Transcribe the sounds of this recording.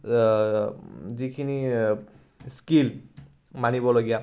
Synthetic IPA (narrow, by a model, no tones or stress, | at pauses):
zikʰini | skil | manibɔloɡija